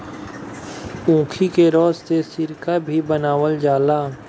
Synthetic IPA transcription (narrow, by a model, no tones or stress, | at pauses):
ũːkʰikeɾɔːst̪esɪɾkabʱibənaːʋəld͡ʒaːlaː